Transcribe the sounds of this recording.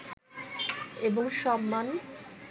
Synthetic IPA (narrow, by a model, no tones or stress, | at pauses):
eboŋʃɔmːan